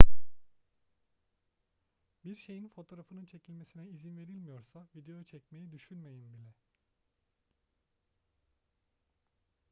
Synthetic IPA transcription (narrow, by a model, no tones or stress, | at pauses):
biɾʃe̞jinfo̞t̪ʰo̞ɾafɯnɯnt͡ʃʰe̞cʰilʲme̞sinɛizinve̞ɾilʲmijo̞ɾsavid̪e̞jot͡ʃʰɛcme̞jid̪yʃynme̞jinbilʲɛ